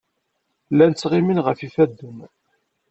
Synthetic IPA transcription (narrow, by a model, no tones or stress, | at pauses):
lːænt͡sːʁɪminʁəfifæd̪ːən